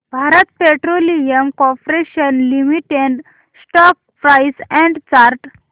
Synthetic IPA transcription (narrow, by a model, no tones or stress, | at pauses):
bʱaɾət̪peʈɾolijəmkɔ̃pɾeɕənlimiʈeɳɖ | sʈɔk̚ | pɾajsɛ̃ɳɖt͡ɕaɾʈ